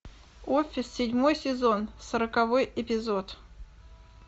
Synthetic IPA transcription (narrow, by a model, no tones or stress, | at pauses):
ofʲɪsːʲɪdʲmo̞jsʲɪzo̞nsəɾəkɐvo̞jɪpʲɪzo̞t̪